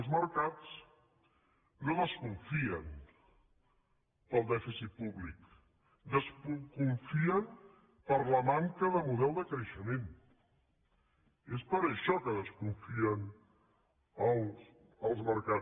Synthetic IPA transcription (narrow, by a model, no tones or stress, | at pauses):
lˠzməɾkat͡s | noðəskuɱfiən | pəlˠd̪ɛfisit̪̚puβlik | d̪əsukuɱfiən | pəɾləmaŋkəðəmuðɛlˠd̪əkɾəʃəmen | espəɾəʃɔkəðəskuɱfiən | əlˠs | əlˠzməɾka